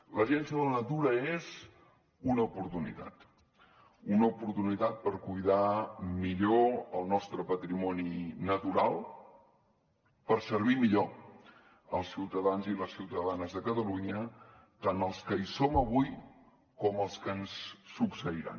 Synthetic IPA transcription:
ləʒɛnsiəðələnət̪uɾəez | unəupuɾt̪unḭt̪a̰t̪ | unəupuɾt̪unit̪at̪̚pəɾkujðamiʎoəlˠnɔst̪ɾəpət̪ɾimɔninət̪uɾalˠ | pəɾsəɾβ̞imiʎo | əlˠsiwt̪əðanziləsiwt̪əðanəzðəkət̪əluɲə | t̪anəlˠskəisoməβuj | kɔməlˠskənsːuksəiɾa̰n

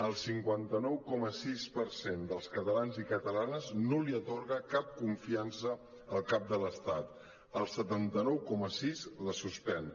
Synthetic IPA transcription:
əlˠsiŋkwant̪ənɔwkɔməsispəɾsend̪əlˠskət̪əlanzikət̪əlanəznoliət̪oɾɣəkap̚kuɱfiansəː | lˠkap̚d̪ələst̪at̪ | əlˠsət̪ant̪ənɔwkɔməsizləsuspɛn

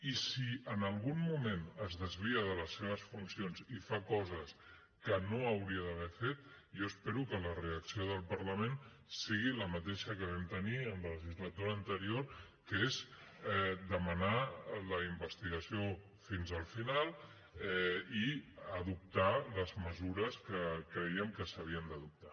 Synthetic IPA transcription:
isiənəlˠɣunmumẽnəzðəzβiəðələsːeβ̞əsfunsionzifakɔzəs | kənoəwɾiəðəβ̞ɛfet̪ | joəspeɾukələreəksioðəlˠpəɾləmen | siɣiləmət̪ɛʃəkəβɛmt̪əniənlələʒizlət̪uɾəːnt̪əɾioɾ | kəez | ɛd̪əmənaləimbəst̪iɣəsio | finzəlˠfinalˠ | iəðup̚t̪aləzməzuɾəskəkɾəiəmkəsəβ̞iənd̪əðup̚t̪a

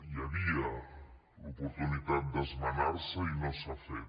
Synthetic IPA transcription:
iaβiɐ | opoɾt̪unit̪at̪̚d̪ɐzmanaɾsɐinõsafɛ

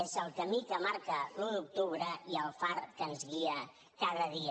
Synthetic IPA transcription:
ezəlˠkəmikəmaɾkəluðuk̚t̪uβ̞ɾəiəlˠfarkənzɣiə | kaðəðiə

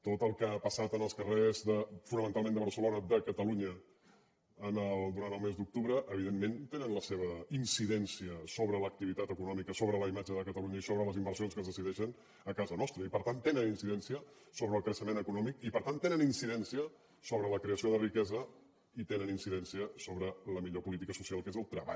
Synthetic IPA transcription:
t̪ot̪əlˠkəapəsat̪ənəlˠskərezðəfunəmənt̪alˠmenəβəɾsəlonəd̪əkət̪əluɲə | ənəlˠd̪uɾant̪əlˠmezd̪uk̚t̪uβɾəʔəβiðemːent̪enənləseβəinsiðɛnsiəsoβɾələk̚t̪iβit̪at̪əkunɔmikəsoβɾələimad͡ʒəðəkət̪əluɲəisoβɾələzimbəɾsionskəzðəsiðɛʃən | əkazənɔst̪ɾəipəɾt̪ant̪enəninsiðɛnsiə | soβɾəːlˠkɾəʃəmenəkunɔmikipəɾt̪ant̪enəninsiðɛnsiə | soβɾələkɾeəsioðərikɛzə | it̪enəninsiðɛnsiəsoβɾələmiʎopulit̪ikəsusialˠkezəlˠt̪ɾəβa̰

